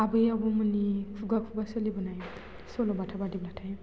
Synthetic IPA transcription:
abɯjabɔmɯnikʰuɡakʰubasɯlibɔnaj | sɔlɔbatʰabadiblatʰaj

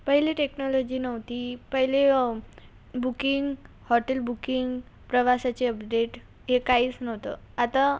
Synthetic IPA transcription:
pəɦileʈeknɔlɔd͡ʑiːnəʋt̪iːpəɦile | bukiŋɡ | hɔʈelbukiŋɡ | pɾəʋasat͡ɕeəpɖeʈ | ɦekaiːt͡snəʋt̪ə̰ | at̪a

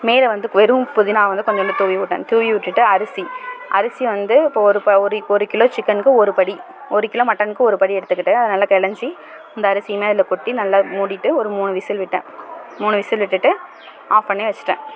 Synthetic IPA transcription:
meːlɐʋɐnd̪ɯʋɛɾɯ̃mpʊðɪnaːɐʋɐnd̪ɯkɔɲd͡ʒɐmlːɐt̪uːʋiʋʊʈːɐ̰̃ːt̪uːʋiʋɪʈːɯʈːɯɐɾɯsiʔɐ̰ɾɯsiʋɐnd̪ɯɪpːoːɔɾɯpɐɔɾɯɔɾɯkɪloːt͡ʃɪkːɐnkːɯɔɾɯpɐɽi | ɔɾɯkɪloːmɐʈːɐnkːɯɔɾɯpɐɽiɛɽɯt̪ːɯkːɪʈːɯɐðɐnɐlːaːkɛɭɐɲd͡ʒi | ɪnd̪ɐːɾɯsɪjɐmeːɐðɪlɐkɔʈːinɐlːamuːɽɪʈːɯɔɾɯmuːnɯʋɪsɪlʋɪʈːḛ̃ːmuːnɯʋɪsɪlʋɪʈːɯʈːɯ | aːfpɐnːɐʋɛt͡ʃːɪ̥ʈːḛ̃ː

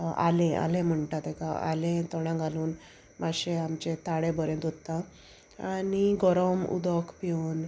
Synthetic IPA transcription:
a̰lẽa̰lẽm̤əɳʈat̪ekaa̰lẽt̪ɔɽ̃ãŋɡaluːn | maɕeamt͡ɕet̪aɽebəɾẽnt̪ot̪ːã | aniɡɔɾɔmṵd̪ɔkʰpiuːn

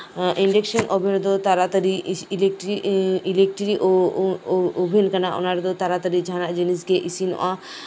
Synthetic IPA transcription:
ʔiɳɖekʃonʔobʱiɾod̪ot̪aɾat̪əɾilek̚ʈɾiilek̚ʈɾiʔo | obʱinkanaʔo̰naɾd̪ot̪aɾat̪əɾid͡ʒʱanad͡ʑinisɡeʔisino̰ʔa

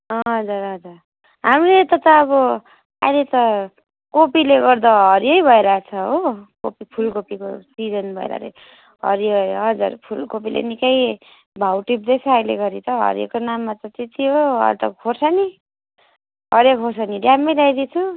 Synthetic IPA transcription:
ɦʌɦd͡zuɾɦʌd͡zur | ɦamilet̪ʌt̪ʌːβʌ | a̰jlet̪ʌ | kopileɡʌrd̪ʌɦʌɾjʌjbʱʌeɾʌat͡sʰʌɦokopipʰulkopikosid͡zʌnbʱʌḛɾa̰ɾḭ | ɦʌ̰ɾiɦʌɦʌd͡zṵrpʰulkopilʔḛnikʌj | bʱawʈip̚d̪et͡sʰʌʌjleɡʌɾit̪ʌɦʌ̰ɾijḛkonamːat͡sʌt̪et̪iɦoʌ̰t̪ʌkʰorsʌni | ɦʌɾjʌkʰorsʌniɖjamːejlajd̪it͡sʰu

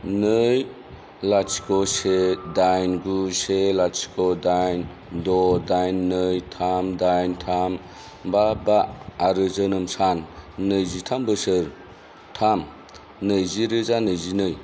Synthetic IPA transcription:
nɯj | lat͡ʃi̥kɔsedajnɡuselasi̥kɔdajn | dɔdajnːɯjtʰamdajntʰam | babaːɾɯzɯnɯmsanːɯjzitʰambɯsɯɾ | tʰam | nɯjziɾɯzanɯjzinɯj

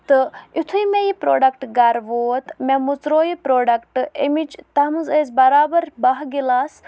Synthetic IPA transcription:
t̪ɨut̪ʰuimejipɾo̰ːɖɐkʈɡɐɾʋoːt̪mʲemut͡sɾoːjipɾoːɖɐkʈemit͡ʃt̪ɐmɨzeːz̬ʲbɐɾaːbɐɾbɐɦɡilaːs

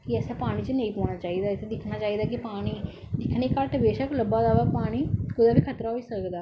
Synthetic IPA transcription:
kɪɛːsaːpaːɽ̃iːt͡ʃənə̃ĩːpõːɳaːt͡ʃaːiːd̪aːɪt̪ʰed̪ɪkʰnaːt͡ʃaːiːd̪aːkɪpaːɽ̃iː | d̪ɪkʰneːkaːɾʈəbeːʃəkləbaːd̪aːʋaːpaːɽ̃iːkʊd̪aːbiːkʰət̪ɾaːɦoiːsəkd̪aː

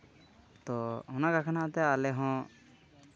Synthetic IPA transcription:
t̪ɔhɔnakakʰanat̪ɛalɛɦɔ̃

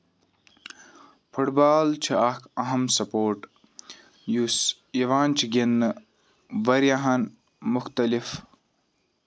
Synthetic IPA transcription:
pʰuʈbaːlt͡ʃʰiakɐɦɐmsɐpoːɾʈ | jus | iʋaːnt͡ʃʰiɡenːɨ | ʋɐɾjaɦɐn | muxt̪ɐlif

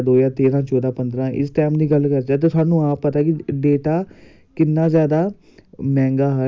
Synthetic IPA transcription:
d̪oːjaːt̪eːɾãːt͡ʃɔːd̪aːpənd̪ɾãːʔɪ̰sʈɛːmd̪iːɡəlkəɾd͡ʒaːt̪̬eːʊaːnũːãːpət̪aːkɪɖeːʈaː | kɪnːãːzjaːd̪aː | mɛ̃ːŋɡaːɦə

